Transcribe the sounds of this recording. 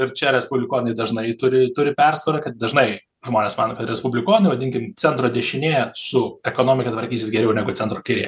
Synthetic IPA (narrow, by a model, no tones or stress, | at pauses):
ɪɾt͡ʃʲɛɾʲɛspʊbʲlʲɪkoːnɐɪd̪ɐʒnɐɪt̪ʊɾʲɪt̪ʊɾʲɪpʲɛrsɐɾɐkɐt̪̚d̪ɐʒnɐɪ | ʒmoːnʲeːsmɑːnoːkɐt̪ɾʲɛspʊbʲlʲɪkoːnɐɪʋɐd̪ʲɪŋʲkʲɪmt͡sʲɛnt̪ɾoːd̪ʲɛʃʲɪnʲeːɛsʊɛkoːnoːmʲɪkʲɐt̪ʋɐɾʲkʲiːsʲɪsɡʲɛɾʲɛʊnʲæːɡʊt͡sʲɛnt̪ɾoːkʲɪɾʲḛjɛ